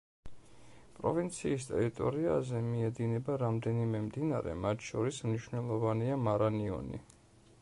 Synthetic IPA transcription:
pʼɾɔ̰vint̪sʰiːst̪ʼɛɾit̪ʼɔɾia̰zɛmiɛd̪inɛbaɾamd̪ɛnimɛmd̪inaɾɛ̰mat̪ʰʃɔɾismniʃvnɛlˠɔvaniamaɾaniɔ̰nḭ

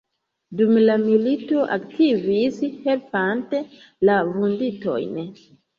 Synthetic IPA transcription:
dumlamilito̞ʔaktʰivishe̞lpante̞ | lavundito̞̰jn

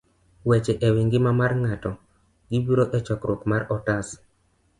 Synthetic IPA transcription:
wɛt͡ʃɛʔɛwiŋɡɪmamarŋatɔ | ɡibiɾoʔɛt͡ʃɔkɾʊpmaɾɔtas

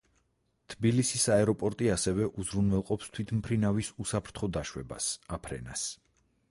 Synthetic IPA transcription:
t̪ʰbilisisaɛɾɔpʼɔɾt̪ʼiasɛvɛʔuzɾunwɛlˠqʼɔpst̪ʰwit̪ʰmpʰɾinavisusapʰɾt̪ʰχɔd̪aʃwɛ̰ba̰sapʰɾɛ̰na̰s

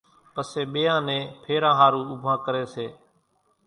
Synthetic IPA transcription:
pəseːɓeːjãːnẽːpʰeːɾãːɦaːɾũːʊbʱãːkəɾeːseː

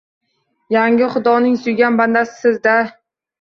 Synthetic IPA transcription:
jaŋʲɪχʊd̪ɒnɪŋsʊjɡʲanband̪asɪ̥sɪzd̪a

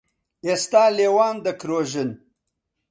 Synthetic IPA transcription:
est̪aːlewɑːnd̪əkɾoːʒɪn

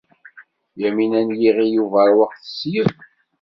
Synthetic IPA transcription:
jæminænjiʁijuvæɾwəqθə̥sjəv

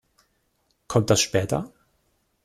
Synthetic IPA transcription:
kʰɔmt̚d̥asʃpɛːtɐ̰

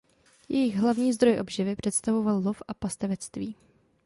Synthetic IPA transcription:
jɛjɪɣɦlavɲiːzd̪ɾo̞jʔo̞bʒɪvɪpr̥ɛt̪st̪avo̞vallofʔapast̪ɛvɛt͡st̪viː

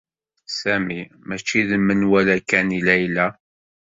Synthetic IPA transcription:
sæmi | mæt͡ʃːiðəmːənwælækːænilæjlæ

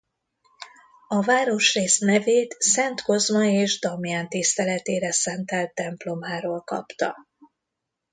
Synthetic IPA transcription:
ɒvaːɾo̞ʃreːsnɛveːt̪sɛnt̪ko̞zmɒeːʒd̪ɒmjant̪ist̪ɛlɛt̪eːɾɛsɛnt̪ɛlt̪ːɛmplo̞maːɾoːlkɒ̰pt̪ɒ̰

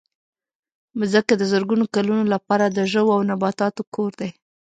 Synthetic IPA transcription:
mzəkad̪əzəɾɡunokalunolapɑɾad̪əʒəwoawnabɑt̪ɑt̪okʰoɾd̪e

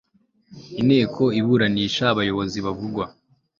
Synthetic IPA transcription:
ine̞ːkʰo̞iβuɾaniːʃaːβajo̞βo̞ziβavuɡwa

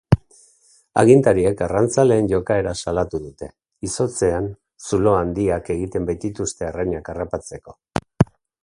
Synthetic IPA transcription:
a̰ɣ̞int̪aɾiekarant͡sale̞ːnʝo̞kae̞ɾasalat̪uðut̪e̞ | iso̞t͡se̞an | sulo̞and̪iake̞ɣit̪e̞mbajt̪it̪ust̪e̞araɲakarapat͡se̞ko̞̥

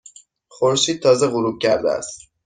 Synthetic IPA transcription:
χoɾʃiːd̪̚t̪ʰɒːzeɣuɾub̚cʰæɾd̪ḛæ̰st̪

